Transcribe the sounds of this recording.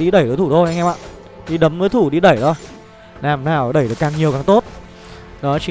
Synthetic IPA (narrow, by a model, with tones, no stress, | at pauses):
ɗi˧ɗə˧˩jt̪əː˨˦t̪ʰu˧˩ɗ̪o˧ha˧ŋʔɛ˧ma̰ː˧˨ | ɗi˧ɗə˨˦mvəː˨˦t̪ʰu˧˩ɗi˧ɗə˧˩jt̪ʰo˧j | naː˨˩mnaː˨˩wɗə˧˩jɗɨ˨˩əkːaː˧˩ŋɲi˨˩əwkaː˧˩ŋt̪o˦˥t̚ | ɗɔ˨˦t͡ɕi˨˦